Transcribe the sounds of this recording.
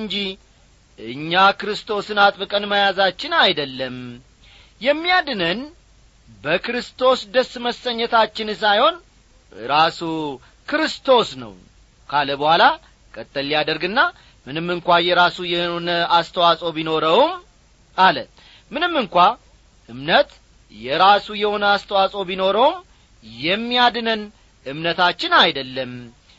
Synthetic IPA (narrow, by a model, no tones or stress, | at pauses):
nd͡ʒi | ʔɨɲːakɨɾɨst̪ʰo̞sɨnat̪ʼbɨkʼənməjazat͡ʃːɪnajd̪əlːəm | jɛmːijad̪ɨnən | bəkɨɾɨst̪ʰo̞sd̪əsːməsːəɲːət̪ʰat͡ʃːɪns̬ajho̞n | ɾasu | kʰɨɾɨst̪ʰo̞snə̰w | kʰaləbəhʷala | kʼət̪ʼːəlːijad̪əɾɡɨnːa | mɨnɨmːɨŋkʷajɛɾasujɛonəast̪ʰəwasʼo̞bino̞ɾəwm | ʔalə̰t̪ | mɨnɨmːɨŋkʷa | ʔɨmnət̪ | jɛɾasujɛho̞nəast̪ʰəwasʼo̞bino̞ɾəwm | jɛmːijad̪ɨnən | ʔɨmnət̪ʰat͡ʃːɪnajd̪əlːəm